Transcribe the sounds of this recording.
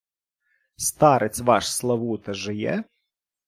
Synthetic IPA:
st̪ɑɾʔet͡sʲʋɑʃslˠɐʋut̪ɐʒɪjɛ̰

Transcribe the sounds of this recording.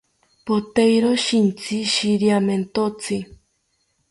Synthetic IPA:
pot̪ejɾoʃint͡sʰiʃiɾiament̪ot͡sʰi

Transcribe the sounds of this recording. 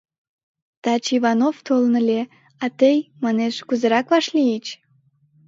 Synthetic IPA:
t̪ɑt͡ɕiβɑnoft̪olnəlʲe | ɑt̪əjmɑneʃkuzəɾɑkβɑʃlijət͡ɕ

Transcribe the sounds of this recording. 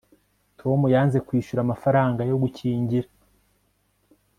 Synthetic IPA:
tʰo̞mujaːnze̞kwiːʃuɾamafaɾaːŋɡajo̞ɡucʰiːɲɟiɾa

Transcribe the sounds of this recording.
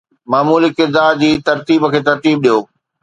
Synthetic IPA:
maːmuːlikɪɾd̪aːɾd͡ʑiːt̪ɐɾt̪iːbəkʰeːt̪ɐɾt̪iːb̚ɗijoː

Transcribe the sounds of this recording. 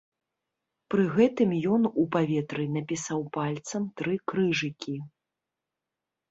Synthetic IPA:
pɾɨɣɛt̪ɨmjɔnupavʲɛt̪ɾɨnɐpʲisawpalʲt̪sɐmt̪ɾɨkɾɨʐɨkʲi

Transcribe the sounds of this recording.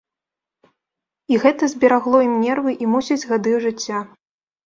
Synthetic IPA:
iɣɛt̪ɐzʲbʲɛɾaɣlˠɔimnʲɛrvɨʔimusʲɐd͡zʲɣad̪ɨwʐɨt͡sʲːa

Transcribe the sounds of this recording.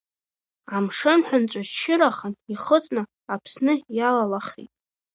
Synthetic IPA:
amʂɨnħʷᶣʊnt͡ʃʷʼaʃɪɾaχəniχət͡sʼnɨ | apʰsnɨjalalaχḭtʼ

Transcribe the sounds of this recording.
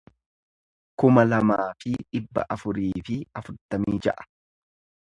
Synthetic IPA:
kʊmɐlɐmaːfɪᶑɪbːɐ̰ʔɐfʊɾiːfɪɐfʊɾt̪ɐmiːd͡ʒɐ̰ʔɐ̥

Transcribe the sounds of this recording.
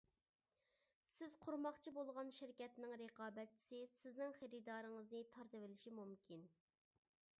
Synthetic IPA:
sɪz̥qʰʊɾmɑχt͡ʃʰibolˠʁɑnʃɪɾkʲɛt̪nɪŋɾeqʰɑːbɛt̪̚t͡ʃʰi̥sɪsɪznɪŋχeɾɪd̪ɑːɾɨŋəznɨt̪ʰɑɾt̪ɨvɪlɪʃimumkʲʰin

